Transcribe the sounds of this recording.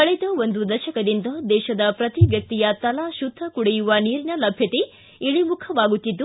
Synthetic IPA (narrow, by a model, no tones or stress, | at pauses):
kɐɭɛd̪ɐond̪ud̪ɐʃɐkɐd̪ind̪ɐd̪ɛːʃɐd̪ɐpɾɐt̪iʋjɐk̚t̪ijɐt̪ɐlaːʃud̪ʱːɐkuɽejuʋɐniːɾinɐlɐbʱjɐt̪e | iɽimukʰɐʋaːɡut̪ːit̪ːu